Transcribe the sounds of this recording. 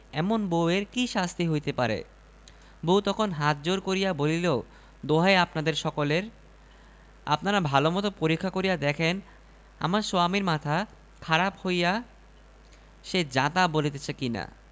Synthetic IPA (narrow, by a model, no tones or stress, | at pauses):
ɛmonboeɾkiʃast̪ʰiɦojt̪epaɾḛ | bowt̪ɔkʰonɦat̪̚d͡ʑoɾkoɾijabolileo | d̪oɦaeapnad̪eɾʃɔkoleɾ | a̰pnaɾabʱalomɔt̪opoɾikʰːakoɾijad̪ɛkʰen | a̰maɾsoamiɾmat̪ʰa | kʰaɾaphoja | ʃed͡ʑat̪abolit̪et͡ɕʰekina̰